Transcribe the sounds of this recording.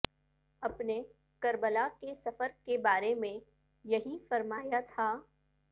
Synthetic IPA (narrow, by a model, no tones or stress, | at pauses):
ɐpne | kɐɾbəlakesɐfəɾkebaːɾemẽ | jɐɦifɐɾmaːjat̪ʰaː